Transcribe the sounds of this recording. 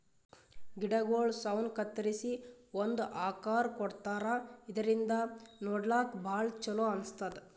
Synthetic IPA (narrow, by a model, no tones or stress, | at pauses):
ɡiɽɐɡoːɭsɐwnkɐt̪ːɐɾisiond̪uʔaːkaːɾkɔɽt̪aːɾaid̪ɐɾind̪ɐnoːɖlaːkbʱaːɭt͡ʃːɐloːɐnst̪ad̪e